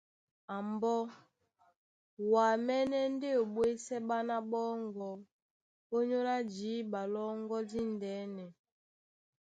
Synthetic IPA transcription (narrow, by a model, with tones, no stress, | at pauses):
a˨mbɔ˦ | wa˨mɛ˦nɛ˦n˦de˦o˨ɓwe˦sɛ˦ɓa˦na˦ɓɔ˦ŋɡɔ˨ | o˦ɲo˦la˦d͡ʒi˨˦ɓa˨lɔ˦ŋɡɔ˦di˦n˨dɛ˨˦nɛ˨